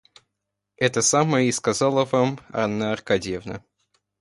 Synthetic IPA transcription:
ɛt̪əsaməjəɪskɐzɑlˠəvamɐ̰nːaɐrkadʲjevnə̰

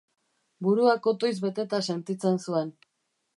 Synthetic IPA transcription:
buɾuako̞t̪o̞jzβe̞t̪e̞t̪ase̞nt̪it͡se̞nsue̞n

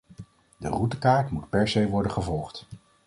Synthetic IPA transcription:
də̰rutəkaːɹtmutpɛɹsejʋɔɹdənχəvɔlˠχt

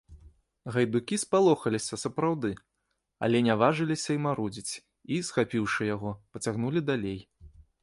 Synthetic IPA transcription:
ɣɐjd̪ukʲispalˠɔxɐlʲisʲɐsɐpɾawd̪ɨ | ɐ̰lʲɛnʲavaʐɨlʲisʲɐimaɾud͡zʲit͡sʲ | isxapʲiwʂɨjaɣɔpɐt͡sʲaɣnulʲid̪alʲej

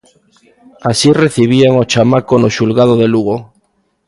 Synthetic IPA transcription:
asireθiβ̞iaŋot͡ʃamakonoʃulɣað̞oðeluɣo

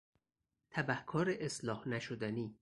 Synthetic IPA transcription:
t̪ʰæbæhkʰɒːɾeʔeslɒːhnæʃod̪æniː

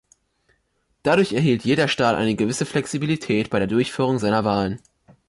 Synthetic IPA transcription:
d̥adʊɐçɛɐɦiːltjeːɾɐʃtaːtʔa̰ɪnəɡəvɪsəflɛksibilitʰɛːt̚b̥aɪɾeːɐdʊɐçfyːʁ̞ʊŋzaɪnɐvaːlən

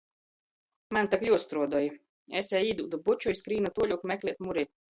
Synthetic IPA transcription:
mant̪akjuɔst̪ɾuɔd̪uɔja | ɛsʲɛːiːd̪uːd̪ubut͡ʃujskɾiːnut̪uɔlʲukmɛklʲiɛt̪muɾʲi

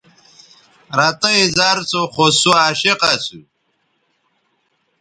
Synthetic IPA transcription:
ɾat̪ɐĩzaːɾt͡soχosuaːɕeqasṵ

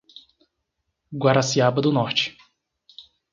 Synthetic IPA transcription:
ɡwaɾasiabɐd̪ʊnɔɾt͡ʃɪ̥

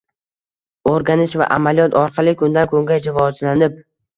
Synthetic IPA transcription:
oɾɡʲanɪʃva̰ʔa̰malijɒt̪ʰɒɾqʰɑlˠɪkʰʊnd̪ankʰɵŋɡʲajd͡ʒɪvɒzlanɪp̚

